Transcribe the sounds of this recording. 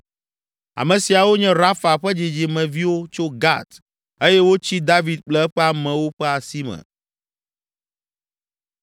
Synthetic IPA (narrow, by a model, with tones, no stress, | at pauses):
a̰˨mɛ̃˨si˨a˨wo˦ɲɛ̃˦ɾa˦fa˨ɸɛ˦d͡ʑi˨d͡ʑi˨mɛ̃˨vi˦wo˦t͡ʃo˦ɡa̰˦t̪ | e˦jɛ˦wo˦t͡ɕi˦d̪a˦vi˨d̪̚k͡plɛ˦ɛ˦ɸɛ˦a˨mɛ̃˨wo˦ɸɛ˦a˨si˦mɛ̰̃˨